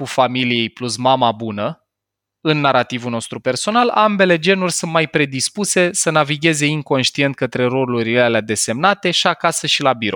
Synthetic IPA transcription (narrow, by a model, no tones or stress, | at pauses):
kufamilije̞jplusmamabunə | ɨnːaɾat̪ivuno̞st̪ɾupe̞rso̞nala̰mbe̞le̞d͡ʒe̞nurʲsunt̪̚majpɾe̞d̪ispuse̞sənaviɡʲe̞ze̞iŋko̞nʃt̪ie̞nt̪̚kət̪ɾe̞ɾo̞luɾilelead̪e̞se̞mnat̪e̞ʃiakasəʃilabiɾo̞̰